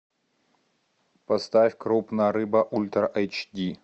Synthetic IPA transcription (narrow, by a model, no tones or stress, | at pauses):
pɐst̪afʲkɾupnəjəɾɨbəʔulʲt̪rʔɛjt͡ʃdʲi